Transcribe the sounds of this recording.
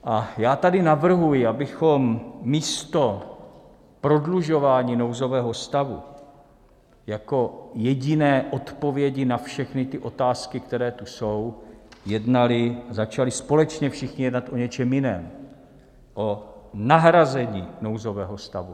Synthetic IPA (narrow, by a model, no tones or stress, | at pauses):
ʔajaːt̪adɪnavr̩ɦujɪʔabɪxo̞mːiːst̪o̞ | pɾo̞dluʒo̞vaːɲiːno̞wzo̞vɛːɦo̞st̪avṵ | jako̞jɛɟɪnɛːʔo̞t̪po̞vjɛɟɪnafʃɛxnɪt̪ɪʔo̞t̪aːskɪkt̪ɛɾɛːt̪uso̞wjɛdnalɪazat͡ʃalɪspo̞lɛt͡ʃɲɛfʃɪxɲɪjɛdnat̪ʔo̞ɲɛt͡ʃɛmjɪnɛːm | ʔo̞naɦɾazɛɲiːno̞wzo̞vɛːɦo̞st̪a̰vu